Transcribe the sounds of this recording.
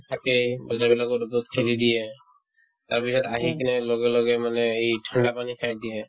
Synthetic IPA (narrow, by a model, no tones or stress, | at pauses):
tʰakebɔzabilakɔtuput̪̚kʰelid̪ijɛ | taɹpisɔtaɦikʰɛnɛlɔɡɛlɔɡɛmanɛejtʰɔndapanikʰajdijɛ